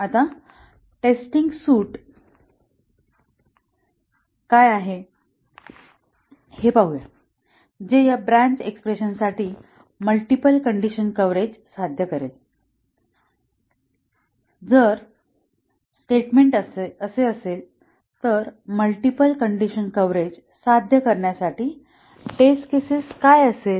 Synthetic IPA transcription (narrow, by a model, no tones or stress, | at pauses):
at̪a | ʈesʈiŋɡsuːʈ | kajaɦe | hepaɦuja̰ | d͡ʑejabɾãɲt͡ɕekspɾeɕənsaʈiː | məlʈipəlkəɳɖiɕənkəʋɾed͡ʑsad̪ʱjəkəɾel | d͡zəɾ | sʈeʈmeɳʈəseəsel | t̪əɾməlʈipəlkəɳɖiɕənkəʋɾed͡ʑ | sad̪ʱjəkəɾɳjasaʈiː | ʈeskesiskajəsel